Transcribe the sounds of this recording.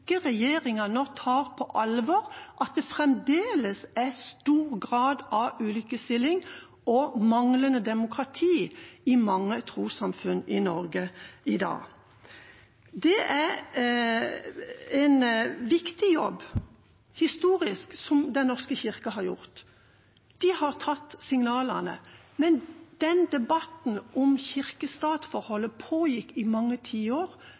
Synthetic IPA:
kəʁɛjeːɾɪŋɑnɔt̪ʰhɑːɾpʰɔʔɑlʋɔʁʔɑt̪̚d̪ɛfʁɛmd̪eːləsæst̪uːʁɡʁɑːd̪ɑʉːlʏkəst̪ɪlːɪŋ | ɔmɑŋlənəd̪ɛmʊkʁɑt̪ʰiːɪmɑŋːət̪ʰɾuːsɑmfʉnɪnɔɾɡəɪd̪ɑ̰ː | d̪ɛʔæɾ | ɛnʋɪkt̪ɪjɔbː | hɪst̪uːɾɪsksɔmd̪ɛnnɔʁskəçɪʁkɑɦɑɾjʊ̰ʁt̪ | d̪̥ɪhɑʁt̪ʰɑt̪ːsɪŋnɑːlənə̰ | mɛnd̪̥ɛnd̪ɛbɑt̪n̩ʔɔmçɪʁkəst̪ɑːt̪fɔʁhɔlːəpʰoːjɪkːɪmɑŋːət̪ʰiːoːɾ

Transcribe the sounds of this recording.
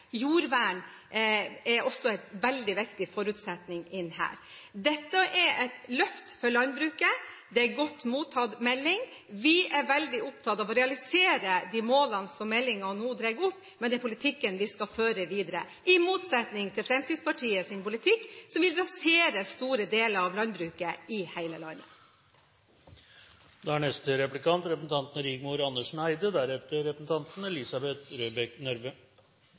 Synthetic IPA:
juːɾʋæːɳ | ɛɾɔsːɔæɪt̪ʋɛld̪ɪʋɪkt̪ɪfɔɾʉt̪sɛt̪nɪŋɪnːhæ̰ːɾd̪ɛt̪ːəʔɛɾʔɛt̪lœft̪fɔɾɭɑnbɾʉːkəd̪ɛæɾɡɔt̪ːmuːt̪ʰːɑd̪mɛlːɪŋ | ʋɪæɾʋɛld̪ɪʊp̚t̪ʰɑt̪ɑʋɔɾɛɑlɪseːɾəd̪ɪmoːlɑnsɔmːɛlːɪŋɑnuːd̪ɾɛɡʊpːmɛnɛpʰʊlɪt̪ʰɪkːənʋɪskɑføːɾəʋiːd̪əɾə̰ | ʔɪmuːt̪sɛt̪nɪŋt̪ʰɪlfɾɛmst̪iːspɑʈʰiːəsɪnpʊlɪt̪ʰɪkːsɔmʋɪlɾɑseːɾəst̪uːɾəd̪eːləɾɑʋlɑnbɾʉːkəɪhæɪləlɑnːə̰ | d̪ɛæɳɛst̪əɾɛplɪkɑnt̪ɾɛpəsn̩t̪ʰɑnt̪nəɾɪɡmʊɾɑnːəʂɳæɪd̪əd̪æɾɛt̪ːəɾɾɛpəsn̩t̪ʰɑnt̪n̩lɪsɑbɛt̪ɾøːbɛknœɾʋə

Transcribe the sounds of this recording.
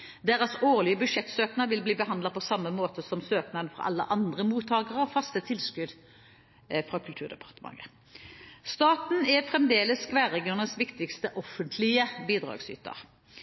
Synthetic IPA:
d̪eːʁəsoːʁlɪəbʉd̪ʂɛt̪søːknəʋɪlbliːbəɦɑnd̪lɑpʰɔsɑmːəmoːt̪əsɔmsøːknɑənfɔʁɑ̰ʔɑ̰lːə̰ʔɑnd̪ʁəmuːt̪ʰːɑːɡəʁɔfɑst̪ət̪ʰɪlskʉd̪ | fʁɑkʰʉlt̪ʉːʁd̪ɛpʰɑʁt̪əmɑ̰ŋə̰ | st̪ɑːt̪n̩ɛfʁɛmd̪eːləskʋæːʁɛɡɪʊnəsʋɪkt̪ɪkst̪əʔɔfənt̪ʰlɪəbiːd̪ʁɑ̰ːɡsy̰ːt̪ə̰ʁ

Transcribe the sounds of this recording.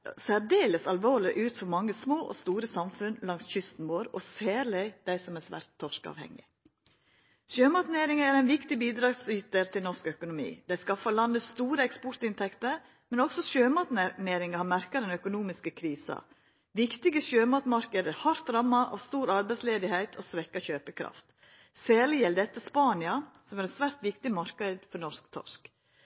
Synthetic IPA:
sæɾd̪eːləsɑlʋoːɭɪʔʉːt̪fɔɾmɑŋːəsmoːʔɔ̰st̪uːɾəsɑmfʉnlɑŋsçʏst̪n̩ʋoːɾɔ̰sæːɾlɪɪd̪̥æɪsɔmæsʋæ̰ːɾt̪ʰːɔʂkɑ̰ːʋhɛ̰ŋːɪ̰ | ʃøːmɑt̪neːɾɪŋəæɾɛɪnʋɪkt̪ɪbiːd̪ɾɑːɡsyːt̪əɾt̪ʰɪlnɔʂkœkʊnʊmḭːd̪̥æɪskɑfɑlɑnd̪əst̪uːɾəɛkspɔɾt̪ɪnt̪ʰɛkt̪əɾ | mɛnɔksɔʃøːmɑt̪nneːɾɪŋəhɑmæɾkɑd̪ɛnœkʊnuːmɪskəkʰɾiːsɑ̰ | ʋɪkt̪ɪɡəʃøːmɑt̪mɑɾkəd̪æɾhɑɾt̪ɾɑmːɑʔɑ̰ːʋst̪uːɾɑɾbɛɪsleːd̪ɪhæɪt̪ʰoːsʋɛkːɑçøːpəkʰɾɑ̰ft̪ | sæːɾlɪjɛld̪ɛt̪ːəspɑːnɪɑsɔmæɾɛt̪sʋæɾt̪ʋɪkt̪ɪmɑɾkəd̪fɔnɔskt̪ʰɔ̰ʂk

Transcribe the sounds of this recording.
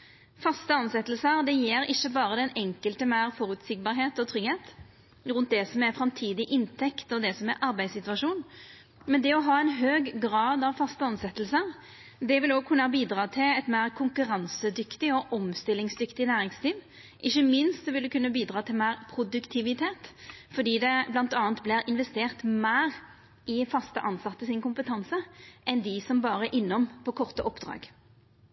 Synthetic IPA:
fɑst̪əɑnsɛt̪ːəlsəɾd̪ɛjeːɾɪçːəbɑːɾəd̪ɛnɛŋkəlt̪əmæɪʁfɔɾʉt̪sɪɡ̚bɑːɾɦeːt̪ɔt̪ʰʁʏɡheːt̪ | ʁʉnt̪̚d̪ɛsɔmæɾfɾɑmt̪ʰiːd̪ɪʔɪnt̪ʰɛkt̪ɔd̪ɛsɔmæɾʔɑɾbæɪd̪sɪt̪ʉʋɑʂuːn | mɛnd̪ɛɔɦɑːɛnɦøːɡɡɾɑːd̪ɑʋfɑst̪əɑnsɛt̪əlsəɾ | d̪ɛʋɪloːɡ̚kʰʉnːəɑbiːd̪ɾɑːt̪ʰɪlɛt̪mæːʁkʰʊŋkʉɾɑnsəd̪ʏkt̪ɪɔʔɔmst̪ɪlːɪŋsd̪ʏkt̪ɪnæːʁɪŋsliːʋ | ʔɪçːəmɪnst̪̚d̪ɛʋɪld̪əkʉnːəbiːd̪ʁɑːt̪ʰɪlmæːʁpʰʁʊd̪ʉkt̪ʰɪʋɪt̪ʰeːt̪fɔd̪iːd̪ɛblɑnt̪ɑːnt̪̚blɪʁɪnʋɛst̪eːʁt̪mæːʁ | ɪfɑst̪ə̰ʔɑnsɑt̪ːəsɪnkʊmpət̪ʰɑnsəʔɛnd̪ɪsɔmbɑːʁəʔɪnːɔmpʰɔkʰɔʁt̪əʔɔpːd̪ʁɑ̰ːɡ

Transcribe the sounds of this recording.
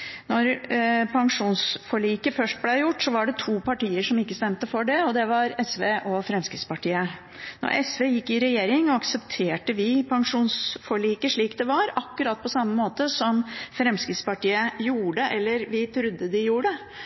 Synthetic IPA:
nɔɾpʰɑŋʂuːnsfɔɭiːkəfœʂʈ̚blæjʊʈːsɔʋɑɖɛt̪ʰuːpʰɑʈiːəʂɔmɪkːəst̪ɛmt̪əfɔɖɛɔd̪ɛʋɑɾɛsʋeːʔɔfɾɛmskɾɪt̪spɑʈiːə | nɔ̰ɾʔɛsʋeːjɪkːɪɾɛjeːɾɪŋɔɑksəpt̪ʰeːʈəʋɪpʰɑŋʂuːnsfɔɭiːkəʂɭiːkd̪ɛʋɑɾɑkːʉɾɑːt̪̚ːpʰɔsɑmːəmoːt̪əsɔmfɾɛmskɾɪt̪spɑʈiːəjuːɖəʔɛlːəɾʋɪt̪ʰɾʉd̪ːəd̪ɪjuːəɖə

